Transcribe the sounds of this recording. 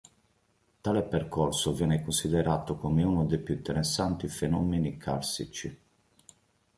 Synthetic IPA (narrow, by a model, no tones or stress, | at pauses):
t̪aːlepɛɾkʰɔrsovjɛːnɛkonsid̪ɛɾaːt̪okomeunod̪epjuint̪ɛɾɛsːant̪ifɛnɔmːenikʰaɾsḭt͡ʃi